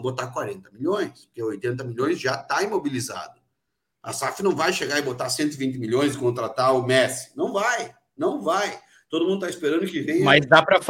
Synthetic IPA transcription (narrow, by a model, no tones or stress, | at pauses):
bot̪aɾkwaɾẽnt̪ɐmiʎõj̃spʊɾkeojt̪ẽnt̪̬ɐmilõj̃sʒat̪aĩmobiliza̰d̪ʊ | ɐ̰safɪnɐ̃w̃vajʃeɡaɾɪbot̪asẽnt̪ʊɪvĩnt̪ɪmiʎõj̃sɪkõnt̪ɾat̪aɾʊmɛsɪ̥nɐ̃w̃vaj | nɐ̃w̃vaj | t̪od̪ʊmũd̪ʊt̪aispeɾɐ̃nd̪ʊkɪvẽjɐ̃mazd̪apɾɐf